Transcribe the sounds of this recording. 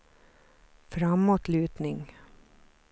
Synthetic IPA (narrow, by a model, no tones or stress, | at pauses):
fɾɑmːoːt̪lʉːt̪nɪŋ